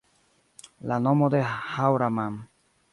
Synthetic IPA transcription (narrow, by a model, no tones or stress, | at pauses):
lanomod̪ehawɾamam